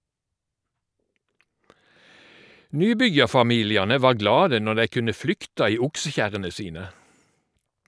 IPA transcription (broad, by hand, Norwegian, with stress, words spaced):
ˈnyːˌbʏjɑʁfɑˌmiːlɪɑnə ˈʋɑːʁ ˈɡlɑːdə ˈnɔʁ ˈdæɪ ˈkʉnə ˈflʏktɑ ˈiː ˈʊksəˌçæʁənə ˈsiːnə